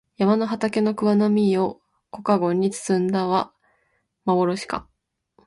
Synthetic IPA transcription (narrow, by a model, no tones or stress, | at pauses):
jamano̞ɦat̪ake̞no̞kɯ̟βanomʲio̞ | ko̞kaɡo̞ɲ̟ːit͡sɨ̥sɨ̃nd̪aβa | maβo̞ɾo̞ɕi̥ka̰